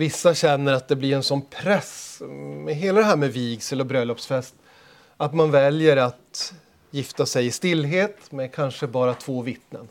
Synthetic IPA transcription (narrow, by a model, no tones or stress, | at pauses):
vɪsːaɕɛnːəɾat̪̚d̪ɛblɪɾɛnsɔnpʰɾɛsmɛɦeːlad̪ɛɦæːɾmɛviːɡsɛlɔbɾœlːɔpsfɛst̪ | at̪manvɛljəɾat̪ | jɪft̪asɛjɪst̪ɪlːɦeːt̪mɛkʰanʂəbɑːɾat̪ʰv̥oːvɪt̪nə̰n